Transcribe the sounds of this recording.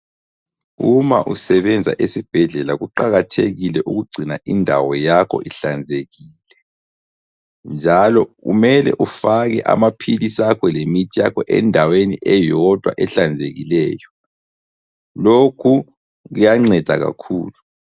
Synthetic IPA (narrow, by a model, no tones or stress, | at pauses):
umaʔusɛβɛnd͡zʱa̰ʔesib̥ʱɛɮɛlaɣuǃaɣatʰeɣilɛʔuɣuɡ͡ǀʱinaʔindʱa̰wɔjakʰɔ̰ʔiɬand͡zʱeɣiːlɛ | nd͡ʒʱalɔɣṵmɛlɛ̰ʔufaɣɛʔa̰mapʰilisakʰɔlemitʰijakʰɔʔɛ̰ndʱaweniʔɛjɔd̥ʱwaʔɛɬand͡zʱeɣilɛːjɔ | lokʰu | ɣujaŋ͡ǀɛd̥ʱa̰ɣa̰kʰuːlu